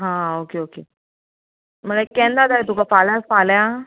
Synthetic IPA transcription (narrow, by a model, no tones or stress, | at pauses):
ɦãokeoke | m̤əɡakɛ̃nd̪ad͡z̪aet̪ukafalasfalja